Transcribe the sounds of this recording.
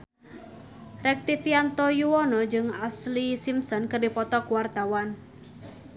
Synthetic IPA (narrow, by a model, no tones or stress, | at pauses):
rɛk̚t̪ifiant̪ɔjuwɔnɔd͡ʒɨŋaslisimsɔnkərdipɔt̪ɔkuwart̪awan